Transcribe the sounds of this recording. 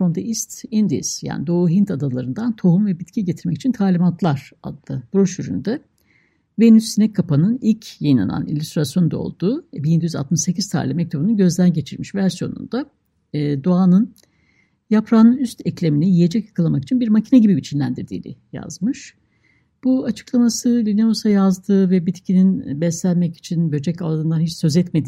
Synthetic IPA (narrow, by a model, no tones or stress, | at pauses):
fɾo̞nd̪eʔist̪ind̪ḭsja̰ːnid̪oːɦint̪ʰad̪alˠaɾɯnd̪ant̪ʰo̞ɦumvɛbit̪cʰiɟe̞t̪ʰiɾmɛci̥t͡ʃʰint̪ʰaːlʲimant̪ʰlˠaɾ̥a̰d̪ɯb̥ɾoʃyɾy̰nd̪ɛ | venysːinɛkʰːapʰanɯnilʲcʰjajina̰na̰nḭlʲyst̪ɾasjo̞nd̪a̰o̰lˠd̪̥uːbind̪yjyza̰t̪̚mɯʃse̞cʰiz̥t̪ʰa̰ːlʲimɛc̚t̪ʰobunuɟø̞zd̪ænɟe̞t͡ʃʰiɾmiʃvæɾsijo̞̰nṵnd̪aː | d̪oaːnɯn | japʰɾaːnɯyst̪ʰɛclʲe̞minɛjije̞d͡ʒɛcjḁkʰalˠamaki̥t͡ʃʰinbiɾmacʰinɛɟibibit͡ʃʰinlʲænd̪iɾd̪ḭːnḭja̰zmɯʃ | b̥uat͡ʃʰɯ̥klˠamasɯlʲineosajazd̪ɯːvɛbit̪cʰininbɛsænʲmɛci̥t͡ʃʰinbød͡ʒɛcalˠd̪ɯːnd̪anɦit͡ʃsø̞zɛt̪me̞d̪i